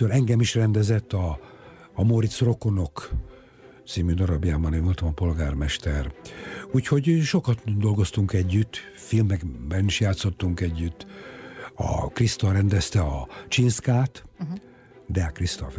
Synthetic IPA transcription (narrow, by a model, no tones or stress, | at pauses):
ølɛŋɡɛmiʃrɛnd̪ɛzɛt̪ːɒː | moɾit̪sro̞ko̞no̞k | t̪siːmyːd̪ɒɾɒbjaːbɒneːnvo̞lt̪ɒmɒpo̞lɡaːrmɛʃt̪ɛruːcho̞ɟʃo̞kɒt̪d̪o̞lɡo̞st̪uŋkɛɟːyt̪ː | filmɛɡbɛniʃjaːt̪so̞t̪ːuŋkɛɟːyt̪ː | ɒ̰krist̪ɒrɛnd̪ɛst̪ɛɒt͡ʃinskaːt̪ | d̪ɛkrist̪o̰f